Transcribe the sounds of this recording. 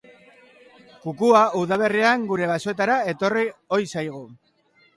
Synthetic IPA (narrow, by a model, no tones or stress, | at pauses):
kukuauðaβ̞e̞riaŋɡuɾe̞β̞asoe̞t̪aɾae̞t̪o̞rio̞jsajɣ̞u